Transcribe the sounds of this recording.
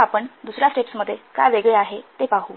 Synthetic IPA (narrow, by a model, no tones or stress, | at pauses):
apəɳd̪usɾjasʈeʈsməd̪ʱːjeka̰jʋeɡɭeaɦet̪epaɦuː